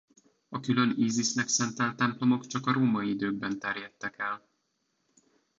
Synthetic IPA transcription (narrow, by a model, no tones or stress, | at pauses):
ɒkylø̞niːzisnɛksɛnt̪ɛnt̪ɛmplo̞mo̞kt͡ʃɒkɒɾoːmɒiid̪øːɡ̚bɛnt̪ɛrjɛt̪ːɛkɛl